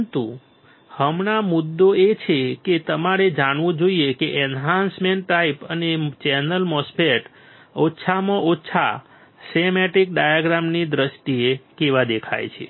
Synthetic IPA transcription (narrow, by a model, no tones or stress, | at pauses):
nt̪u | həmɳamud̪ːoet͡ʃʰeket̪əmaɾed͡ʒaɳʋõd͡ʒoiekeʔɛnɦãnsmeɳʈːaipənet͡ʃɛnəlmɔspeʈ | otːʃʰamãʔotːʃʰa̰ | semeʈik̚ɖajaɡɾamnid̪ɾəʃt̪iekeʋad̪ekʰa̰jt͡ʃʰḛ